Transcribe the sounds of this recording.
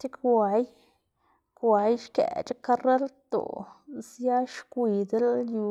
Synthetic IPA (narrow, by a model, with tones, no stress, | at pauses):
t͡ʃi˦kwa˨j | kwa˨jʃkḛ˨t͡ʃa˦ka˦re˦lt̪o̰˨zja˦ʃkʷi˧d̪e˦lju˧